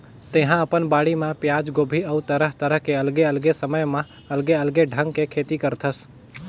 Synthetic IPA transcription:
t̪eɦãəpənbaːɽimãpjaːd͡ʒɡoːbʱiəut̪əɾəɦt̪əɾəɦkeəlɡeəlɡesəməjmã | əlɡeəlɡeɖʱə̃ŋɡkekʰeːt̪ikəɾt̪ʰəs

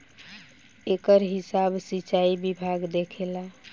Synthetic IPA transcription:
ekəɾɦisabsit͡ʃaibibʱaɡd̪ekʰela

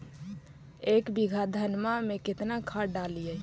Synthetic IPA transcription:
ekbiɡʱad̪ʱənmameket̪nakʰəɖalijə

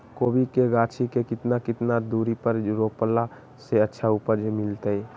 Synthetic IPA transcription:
kobikeɡat͡ʃʰikekɪt̪nakɪt̪nad̪uɾipəɾɾopəla | seətːʃʰaupəd͡ʒʱmilt̪əj

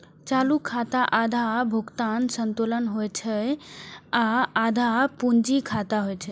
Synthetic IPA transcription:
t͡ʃalukʰːat̪aʔad̪ʱabʱuɡt̪ansənt̪olənɦojt͡ʃʰɛ | aːd̪ʱapund͡ʒikʰat̪aɦojt͡ʃʰɛ

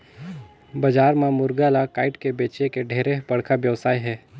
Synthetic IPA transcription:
bɐd͡ʒaːɾmãmʊɾɡalakaːɪʈkebeːt͡ʃekeɖʱeːɾeɦbɐɽ̤kaʋjəʋsaːiɦɛː

